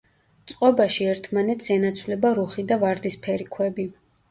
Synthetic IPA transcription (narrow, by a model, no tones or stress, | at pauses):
t̪sʼqʼɔbaʃiɛɾt̪ʰmanɛt̪ʰsɛnat̪sʰwlɛbaɾuχid̪avaɾd̪ispʰɛɾikʰwɛbi